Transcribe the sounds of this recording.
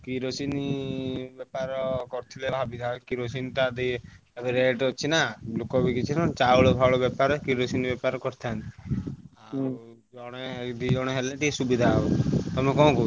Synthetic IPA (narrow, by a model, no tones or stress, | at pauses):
kiɾosinibepaɾɔkɔɾt̪ʰilebʱabit̪ʰakiɾosinʈ̪ad̪e | ebeɾeʈɔt͡ʃʰinalukɔbikit͡ʃʰinat͡ʃauɭɔbʱaɭɔbɛpaɾɔkiɾosinibɛpaɾɔkɔɾt̪ʰant̪iaɾd͡ʒɔɽ̃eʈid͡ʒɔɽ̃eɦeleʈisubid̪ʱabɔt̪ɔmekɔɔ̃ku